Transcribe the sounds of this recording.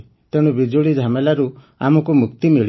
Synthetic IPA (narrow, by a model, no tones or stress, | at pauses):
t̪eɽ̃ubid͡ʒuɭid͡ʒʱamelaɾu | a̰mɔkumukt̪imiɭi